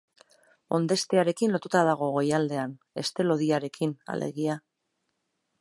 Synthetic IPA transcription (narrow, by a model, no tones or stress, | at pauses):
o̞nd̪e̞st̪eaɾe̞kinlo̞t̪ut̪að̞aɣ̞o̞ɣo̞jald̪e̞an | e̞̰st̪e̞lo̞ðiaɾe̞kʰina̰le̞̰ɣia